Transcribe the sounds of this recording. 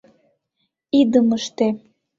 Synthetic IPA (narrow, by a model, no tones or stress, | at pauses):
id̪əməʃt̪e